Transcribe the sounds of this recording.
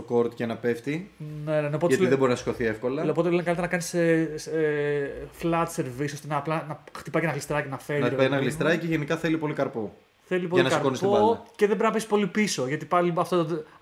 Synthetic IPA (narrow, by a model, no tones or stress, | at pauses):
t̪oko̞ɾt̪cenɐpeft̪inennopoeɐt̪iðebo̞ɾinɐsi̥sko̞θiefko̞lɐloot̪elenkɐlit̪eɾɐnɐkɐnise | flɐt̪seɾvisost̪enɐːplɐnɐxt̪ipɐcenɐɣlist̪ɾɐicenɐfeɾnipɐinɐɣlist̪ɾɐjceʝenikɐθe̞lipo̞likɐɾpo | θe̞lipoɐinɐsikɐɾkonisoɐceðeboɾznɐpespo̞lipiso̞ʝɐt̪ipɐliiɐft̪ot̪